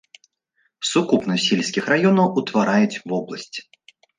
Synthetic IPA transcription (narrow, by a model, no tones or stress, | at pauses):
sukupnɐsʲilʲsʲkʲixɾajɔnɐwut̪vaɾajut͡sʲvɔblˠɐsʲt͡sʲ